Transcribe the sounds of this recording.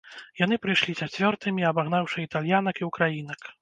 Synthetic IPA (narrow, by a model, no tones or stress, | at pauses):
jan̪ɨpɾɨjʂlʲit͡sat͡sʲvʲɔrt̪ɨmʲiɐbaɣnawʂɐit̪alʲjanɐkiwkɾajin̪ɐk